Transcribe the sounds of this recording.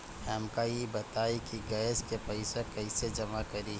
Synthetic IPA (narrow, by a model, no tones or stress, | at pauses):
hɛːmkaibɐt̪aːikiɡaskepəɪsekɐɪsed͡ʒɐmakɐɾi